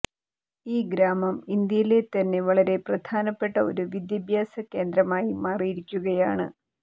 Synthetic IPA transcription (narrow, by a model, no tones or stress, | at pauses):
iːɡɾaːmɐmind̪jɐjile̞t̪ɐnːe̞ʋɐɭɐɾe̞prɐd̪ʰʱaːnɐpːe̞ʈːɐo̞̰ɾuʋid̪jɐbʱjaːsɐke̞ːnd̪ɾɐmaːjimaːrijiɾikʲːuɣɐjaːɳɨ̰